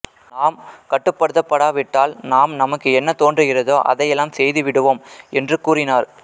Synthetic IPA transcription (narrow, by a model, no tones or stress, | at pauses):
naːmkɐʈːɯpːɐɽɯðɐpːɐɽaːʋɪʈːaːlnaːmnɐmɐkːɯɛnːɐt̪oːndrɯɣɪrɐðoːʔɐ̰ðɐjɛlːaːmsɛjðɯʋɪɽɯʋoːmɛndrɯkuːrɪnaːɾ